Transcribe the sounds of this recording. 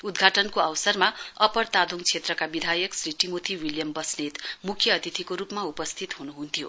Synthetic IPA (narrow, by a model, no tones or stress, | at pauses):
ud̪ɡʱaʈʌnkoawsʌrmaʌpʌrt̪ad̪ʱuŋt͡sʰet̪rʌkabid̪ʱajʌksɾiʈimot̪ʰiwiljʌmbʌsnet̪mukʰjʌːt̪it̪ʰikoɾupmaupʌst̪ʰit̪ɦunuɦunt̪ʰijo̰